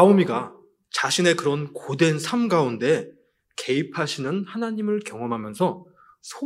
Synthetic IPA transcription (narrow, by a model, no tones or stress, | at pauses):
aomiɡa | t͡ɕaɕʰine̞kɯɾʌnkode̞nsʰamɡaunde̞ | ke̞ipʰaɕʰinɯnhanaɲimɯɭkjʌŋʌmɦamjʌnsʰʌ | sʰo